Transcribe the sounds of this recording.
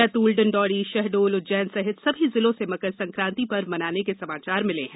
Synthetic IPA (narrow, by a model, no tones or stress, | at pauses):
ɛt̪uːlɖənɖɔːɽiʃɛɦɖoːld͡ʒɛːnsɐɦɪt̪sɐbʱizɪlõsemɐkəɾsɐ̃ŋkɾãːnt̪ipɐɾmɐnaːnekesɐmaːt͡ʃaːɾmɪlḛ̃ɦɛ̃ː